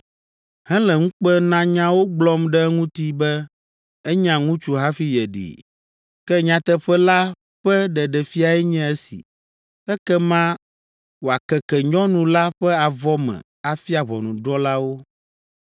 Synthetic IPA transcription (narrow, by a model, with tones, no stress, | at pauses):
hɛ̃˦lɛ˨ŋũ˦k͡pɛ˦nã˦ɲã˦wo˦ɡ͡blɔ˦mɖɛ˦ŋũ˦t̪i˦bɛ˦ | ɛ˦ɲã˨ŋũ˦t͡ʃu˦ɦa˦fi˦jɛ˨ɖḭ˨ | kɛ˦ɲã˨t̪ɛ˦ɸɛ˦la˦ | ɸɛ˦ɖɛ˨ɖɛ˨fi˦a˨ɛ˦ɲɛ̃˦ɛ˦sḭ˨ | ɛ˦kɛ˦mã˦ | wo˨a˨kɛ˨kɛ˨ɲɔ̃˦nũ˨la˦ɸɛ˦a˨vɔ˦mɛ̰̃˨ | a˨fi˦a˨βɔ̰˨nũ˨ɖɔ˦la˦wo˦